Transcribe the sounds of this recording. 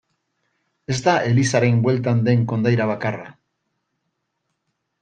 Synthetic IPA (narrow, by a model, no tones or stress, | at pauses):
e̞zd̪aʔe̞lisaɾe̞mbwe̞lt̪and̪e̞ŋko̞nd̪ajɾaβ̞akara